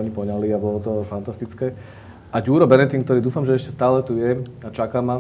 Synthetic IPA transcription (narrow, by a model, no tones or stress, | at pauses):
ɔɲipɔɲaliːabɔlɔt̪ɔfant̪ast̪it͡skɛː | ʔaɟuːɾɔbɛnɛt̪iŋkt̪ɔɾiːd̪uːfamʒɛɛʃcɛst̪aːlɛt̪ujɛat͡ʃakama